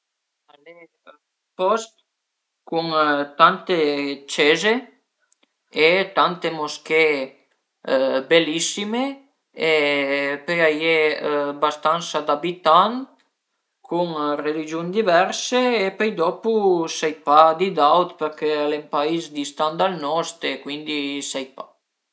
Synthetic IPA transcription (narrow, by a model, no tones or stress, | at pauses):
ale | pɔst̪ | kuŋt̪ant̪et͡ʃeze | et̪ant̪emoske | belisime | epøjajebast̪ansad̪abit̪an | kʰuŋrelid͡ʒjund̪ivɛɾseːpøjd̪ɔpusɛjpad̪id̪awt̪peɾkealempaizd̪ist̪and̪alnɔst̪ekwind̪isɛjpa